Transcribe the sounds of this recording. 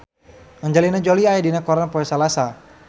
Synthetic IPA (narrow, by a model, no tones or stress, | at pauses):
ŋəɲd͡ʒalinad͡ʒoliajadinakɔɾanpɔɛsalasa